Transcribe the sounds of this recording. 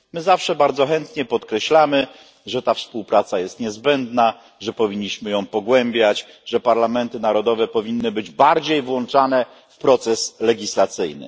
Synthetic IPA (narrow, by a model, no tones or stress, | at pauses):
mɘzafʂɛbaɾd̪zɔxɛnt̪ɲɛpɔt̪kɾɛɕlamɘ | ʐɛt̪afspuwpɾat̪sajɛst̪ɲɛzbɛnd̪na | ʐɛpɔvʲiɲːiɕmɘjɔ̃w̃pɔɡwɛmbʲjat͡ɕ | ʐɛpaɾlamɛnt̪ɘnaɾɔd̪ɔvɛpɔvʲinːɘbɘd͡ʑbaɾd͡ʑejvwɔnt͡ʂanɛ | fpɾɔt̪sɛslɛɡʲislat̪sɘjnɘ̰